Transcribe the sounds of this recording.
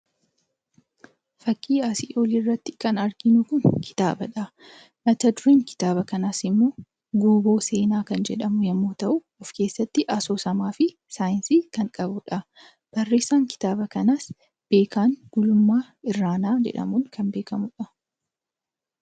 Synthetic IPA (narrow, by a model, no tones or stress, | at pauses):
fɐkʼːiːaːsiːʔoːlirːɐt̪ːɪ̥kɐnɐɾɡɪnʊkʊnkʰɪ̥t̪a̰ːbɐᶑɐ | mɐt̪ɐd̪ʊɾeːŋkɪ̥t̪aːβɐkɐnaːsɪmːo̞ː | ɡuːbo̞ːse̞ːnaːkɐnd͡ʒɛᶑɐmʊjɐmːoːt̪ɐʔʊ | ɔfke̞ːsːɐt̪ːɪʔɐsoːsɐmaːfɪ | saːjɪnsiːkɐŋkʼɐbʊᶑɐ | b̥ɐrːe̞ːsːaːŋkɪ̥t̪aːbɐkɐnas | b̥e̞ːkaːŋɡ̥ʊlʊmːaː | ɪrːaːnaːd͡ʒɛ̰ᶑɐ̰muːŋkʰɐnbe̞ːkɐmʊᶑɐ